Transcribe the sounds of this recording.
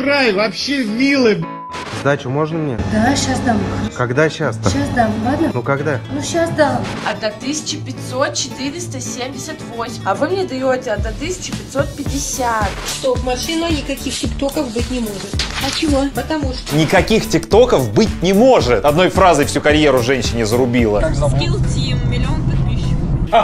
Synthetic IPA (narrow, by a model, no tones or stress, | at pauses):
rajvɐpɕevʲilˠɨ | zd̪atʲʊmo̞ʐnəmnʲḛd̪aɕasd̪amoxkɐɡd̪aɕasɕasd̪alˠad̪nənukɐɡd̪anuɕasd̪aɐd̪ɐt̪ɨsʲɪ̥t͡ɕɪpʲɪt̪ʲso̞t̪̚t͡ɕɪt̪ɨɾʲɪst̪əsʲemʲdʲɪsʲət̪vo̞sʲɪmɐvɨmnʲed̪ɐjotʲɪɐd̪ːɐt̪ɨsʲɪ̥t͡ɕɪpʲɪt̪so̞t̪̚pʲɪdʲɪsʲat̪ʂt̪ovmɐʂɨnənʲɪkɐkʲixtʲɪkt̪o̞kəfbɨtʲnʲɪmo̞ʐɨt̪ɐt͡ɕɪvopət̪ɐmuʂt̪nʲɪkɐkʲixtʲɪkt̪o̞kəfbɨtʲnʲɪmo̞ʐɨt̪ɐd̪no̞jfɾazɨjfsʲukɐɾʲjeɾʊʐɛnʲɕɪnʲɪzəɾʊbʲilˠəpʲilˠtʲimmʲɪlʲɪonp̪ɨk̪̚pʲiɕːɪ